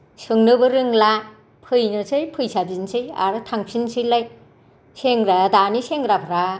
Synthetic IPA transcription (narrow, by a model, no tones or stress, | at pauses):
sɯŋnɯbɯɾɯŋla | pʰɯjnɯsʰɯjpʰɯjsabinsʰɯja̰ɾɯtʰaŋpʰinsɯjlaj | seŋɾadaniseŋɾapʰɾa